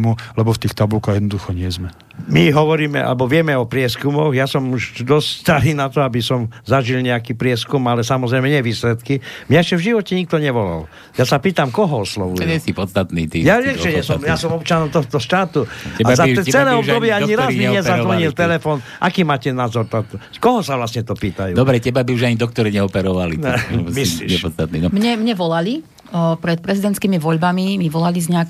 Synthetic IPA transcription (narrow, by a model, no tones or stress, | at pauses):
mulɛbɔft̪iːxt̪abulkaɣjɛd̪nɔd̪uxɔɲɪɛzmɛ | miɦɔʋɔɾiːmɛ̰ʔa̰lɛbɔʋɪɛmɛɔpɾɪɛskumɔɣjasɔmuʒd̪ɔsst̪aɾiːnat̪ɔabisɔmzaʒilɲɛakiːpɾɪɛskumalɛsamɔzɾɛjmɛɲɛʋiːslɛt̪kimɲaɛʃcɛvʒiʋɔcɛɲik̚t̪ɔɲɛʋɔla̰l | jasapiːt̪amkɔɦɔɔslɔʋujɲɛsipɔt͡st̪at̪nḭːt̪ijaʋjɛmʒɛɲɛsɔmjasɔmɔp̚t͡ʃanɔmt̪ɔɦɔt̪ɔʃt̪aːt̪uɛaazat͡sɛlɛːɔb̪ɔbjɛaɲiɾaziɲɛzaɾʋɔɲilt̪ɛlɛfɔːnʔakiːmaːcɛnaːzɔɾt̪at̪ | kɔɦɔsaʋlasɲɛt̪ɔpiːt̪ajuːd̪ɔbɾɛcɛbabiuʒaɲid̪ɔk̚t̪ɔɾiɲɛɔpɛɾɔʋalimislḭːɲɛpɔt͡st̪at̪niːnɔmɲɛmɲɛʋɔlali | pɾɛt̪̚pɾɛzid̪ɛnt̪kiːmiʋɔʎbamimiʋɔlalizɲɛak